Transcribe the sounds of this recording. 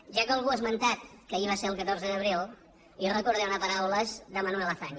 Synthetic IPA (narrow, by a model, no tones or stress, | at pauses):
ʒakəlˠɣuəzmənt̪at̪̚kəiβaseɾəlˠkət̪oɾzəðəβ̞ɾew | irəkuɾðɛwnəpəɾawləzd̪əmənuwɛlaθaɲ